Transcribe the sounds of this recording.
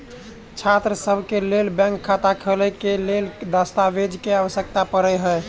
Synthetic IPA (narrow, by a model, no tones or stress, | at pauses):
t͡ʃʰat̪ɾəsəbʱkelelbɛ̃ŋkʰːat̪akʰələkeleld̪əst̪aʋed͡ʒkeaʋəsjək̚t̪apəɾəjɦəj